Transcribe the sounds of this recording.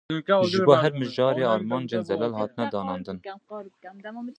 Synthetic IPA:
ʒɨboɦɛɾmɨʒɑːɾeːɑːɾmɑːnd͡ʒeːnzɛlɛlhɑːt̪ɨnɛd̪ɑːnɑːnd̪ɨn

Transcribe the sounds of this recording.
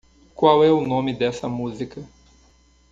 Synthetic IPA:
kwawɛʊnõmɪd̪ɛsɐmuzikɐ

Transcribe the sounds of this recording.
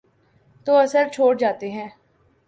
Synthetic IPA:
t̪oːəsəɾt͡ʃʰoːʈd͡ʒaːt̪eɦɛ̃ː

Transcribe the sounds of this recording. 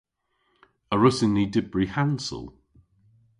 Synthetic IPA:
əɹʊsɪnːidɪbɹihansə̰lˠ

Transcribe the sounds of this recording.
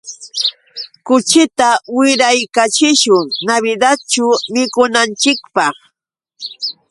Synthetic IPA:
kʊt͡ʃɪt̪awɪɾajkat͡ʃɪʃʊŋnaβɪd̪at̪t͡ʃʊmɪkʊnant͡ʃɪkpɑχ

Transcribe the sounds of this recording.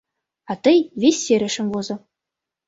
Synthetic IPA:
ɑt̪ɤ̆jvʲesʲːeɾʲɘ̆ʂɘ̆nʲvozɤ̆

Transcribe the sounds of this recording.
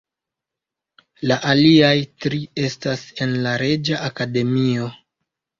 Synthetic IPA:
laʔaliajtɾie̞stase̞nlaɾe̞d͡ʒaʔakade̞mio̞

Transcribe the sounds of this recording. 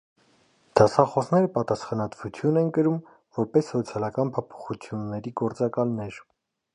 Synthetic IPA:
d̪̥ɑsɑχɔsnɛɾəpɑt̪ɑsχɑnɑt̪vut͡sʰjunɛnkəɾum | vɔɾpɛsːɔt͡sʰjɑlɑkɑnpʰɔpʰɔ̥χut͡sʰjunːɛɾiɡɔɾt͡sɑkɑlnɛɾ

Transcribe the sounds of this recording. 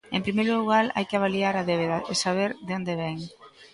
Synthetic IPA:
ḛmpɾimejɾoluɣaɾa̰jkɪaβaliaɾaðeβeðaesaβ̞eɾðond̪eβɛŋ

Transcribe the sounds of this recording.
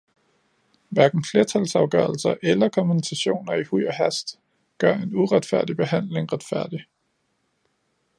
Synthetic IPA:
ʋæɐɡ̥n̩fle̝ːɐt͡sʰælsɑ̈ʊɡ̥ɶɐl̩sɐʔelɐkʰɒmunisʰæɕo̝̰ːnɐihṵɒɦæsd̥ | ɡ̥ɶɐe̝nuʁad̥fæɐ̰d̥ib̥e̝ɦæn̰leŋʁad̥fæɐ̰d̥i

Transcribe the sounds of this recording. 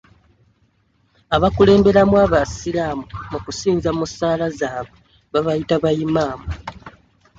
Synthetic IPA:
aβakule̞ːmbe̞ɾamwaːβasilaːmumukusiːnzamusaːlazaːβe | βaβajitaβajimaːmu

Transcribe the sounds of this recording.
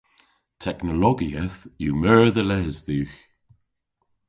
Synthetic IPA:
tʰɛknəlɔɡiəθjumɜːɹðəlɛzðʉːx

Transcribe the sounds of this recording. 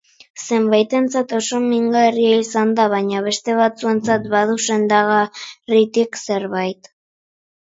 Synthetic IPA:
se̞mbajt̪e̞nt͡sat̪o̞so̞miŋɡae̞riaisand̪aβ̞aɲaβ̞e̞st̪e̞β̞at͡sue̞nt͡sat̪baðuse̞nd̪aɣarit̪ikse̞ɾβajt̪

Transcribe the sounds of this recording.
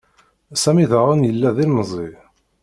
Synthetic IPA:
sæmiðəʁənjəlːæðilməzˤi

